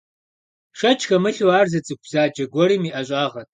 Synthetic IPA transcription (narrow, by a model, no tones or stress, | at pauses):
ʂɐt͡ʃʰxɐmɨɬwaːrzɐt͡sʼɨk̚ʷʰbzaːd͡ʒɐɡʷɔɾimiʔaɕʷʼaːʁɐtʼ